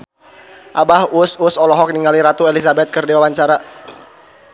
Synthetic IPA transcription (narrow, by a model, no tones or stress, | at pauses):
ʔabahususɔlɔɦɔk̚niŋaliɾat̪uelisabɛt̪̚kərdiwawaɲt͡ʃaɾa